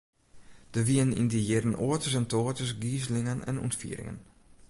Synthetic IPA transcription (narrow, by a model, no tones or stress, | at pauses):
d̥əʋiənḭndijɪdənʔoːətəs̬ɛntʰoətəsɡiːzəlɪŋənɛ̰nṵntfḭəɾɪ̰ŋə̰n